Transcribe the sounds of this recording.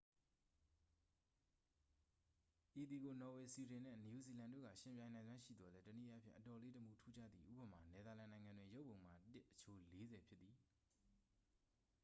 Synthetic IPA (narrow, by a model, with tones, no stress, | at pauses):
ʔi˨t̪i˨ɡo˨nɔ˨we˨si˨ɾɪ̃˨nɛ̰̃˦˨nju˨zi˨lã˨ndo̰˦ɣä̰˦˨ʃɪ̃˨mpjã˨ɪ̃nã˨nzwã˦ʃḭ˦˨d̪ðɔ˨lɛ˦tənḭ˦˨ʔa˦pʰjɪ̰̃˦˨ʔətɔ˨le˦tə˨mu˦˨tʰu˦d͡ʑä̰˦˨d̪ði˨ʔṵ˦˨bəma˨nɛ˨d̪a˨lã˨nã˨ɪ̃ŋã˨ndwɪ̃˨jo˦ʔpːõ˨ʊ̃ma˦˨tɪ˦ʔə̥t͡ɕʰo˦˨le˦zɛ˨pʰjɪ˦t̪t̪ːi˨